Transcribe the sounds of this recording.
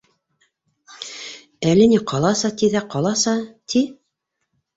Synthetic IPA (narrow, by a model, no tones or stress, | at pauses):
ælɘ̆niqʰɑlˠɑsɑt̪iðæqɑlˠɑsɑt̪ʰi